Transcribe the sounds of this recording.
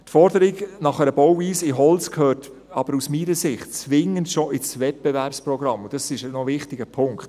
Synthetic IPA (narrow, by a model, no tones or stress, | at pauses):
tfɔɾdəɾɪɡnɑχəɾəbɔwiːsɪɦɔlt͡skʰhøːt | ɑb̥əɾusmiːɾəsɪχtt͡sʋɪŋːəntʃoʔɪt͡svɛt̚b̥ɛvæɾpsprɔɡɾɑmʊd̥ɑsɪʃnovɪχtɪɡəpʰʊŋkt